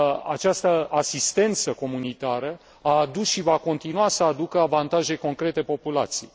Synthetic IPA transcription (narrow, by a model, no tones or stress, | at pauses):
a̰t͡ʃast̪əasist̪e̞nt̪səko̞munit̪aɾə | aːd̪usʃivako̞nt̪inuasəad̪ukəavant̪aʒe̞ko̞ŋkɾe̞t̪e̞po̞pula̰t̪siej